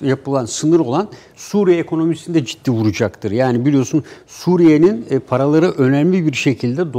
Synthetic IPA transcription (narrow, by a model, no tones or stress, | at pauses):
japɯlˠansɯnɯɾo̞lˠan | suːɾijeekʰo̞no̞misind̪ɛd͡ʒid̪̥ːiːvuɾud͡ʒakt̪ʰɯɾjaːnibilʲijo̞sunsuɾije̞ninːpʰaɾalˠaɾɯʔø̞nælʲibiɾʃe̞cʰilʲd̪ɛd̪